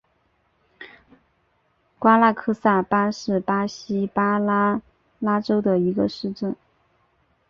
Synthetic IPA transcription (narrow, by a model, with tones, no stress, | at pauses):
kwa˥la˥˧kʰɤ˥sa˥˩pa˥ʂɻ̩˥˩pa˥ɕi˥pa˥ | la˥ʈ͡ʂo˥ʊd̪ə˨i˧˥ɡə˧ʂɻ̩˥˧ʈ͡ʂə˥˩n